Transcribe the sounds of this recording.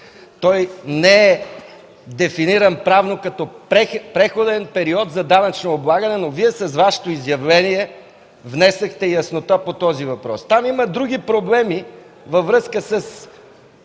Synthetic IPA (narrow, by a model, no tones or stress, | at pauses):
t̪ɔjnɛɛ | d̪ɛfiniɾənpɾavnokɐt̪ɔpɾɛpɾɛxod̪ɛnpɛɾiɔt̪zɐd̪anɐt͡ʃnoːblˠaɡənɛnoviɛsɐzvaʃɛ̥t̪oizjɐvlɛniɛ | vnɛsɐxt̪ɛjɐsnot̪apot̪ɔzivɐpɾɔst̪amimɐd̪ɾuɡ̟ipɾoblɛmi | vɐvɾɤskəsɐs